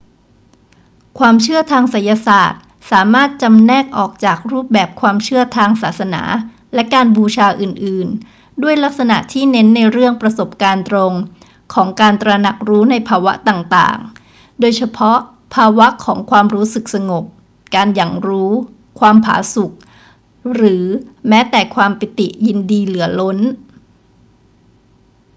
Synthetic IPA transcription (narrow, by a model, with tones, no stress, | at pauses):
kʰwaː˧mt͡ɕʰɯ˥˩ɐt̪ʰaː˧ŋsa˨˩˦nja˧sa̰ː˨˩t̪̚ | saː˩˦maː˥˩t̪̚t͡ɕa˧mnɛː˥˩k̚ʔɔː˨˩k̚t͡ɕaː˨˩k̚ɾuː˥˩p̚bɛː˨˩p̚kʰwaː˧mt͡ɕʰɯ˥˩ɐt̪ʰaː˧ŋsaː˨˩t̪̚sa˧na̰ː˩˦ | lɛ˦˥kaː˧nbuː˧t͡ɕʰaː˧ʔɯː˨˩nʔɯː˨˩n | du˥˩əjla˦˥k̚sa˧na̰˨˩t̪ʰiː˥˩ne˦˥nːa˧jɾɯ˥˩əŋpɾa˧so˨˩p̚kaː˧nt̪ɾo˧ŋ | kʰɔː˩˦ŋkaː˧nt̪ɾa˧na˨˩k̚ɾuː˦˥na˧jpʰaː˧wa̰˦˥ʔt̪aː˨˩ŋt̪a̰ː˨˩ŋ | doː˧jt͡ɕʰa˧pʰɔ˦˥ʔ | pʰaː˧wa˦˥ʔkʰɔː˩˦ŋkʰwaː˧mɾuː˦˥sɯ˨˩k̚sa˧ŋo˨˩p̚ | kaː˧nja˨˩ŋɾuː˦˥ | kʰwaː˧mpʰa̰ː˩˦su˨˩k̚ | ɾɯː˩˦mɛː˦˥t̪ɛː˨˩kʰwaː˧mpi˨˩t̪i˨˩ʔji˧ndiː˧lɯ˩˦ɐlo˦˥n